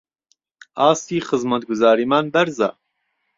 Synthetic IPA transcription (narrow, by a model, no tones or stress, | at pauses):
aːst̪iːxɨzmɐt̪̚ɡʊzaːɾiːmaːnbɛɾza̰ː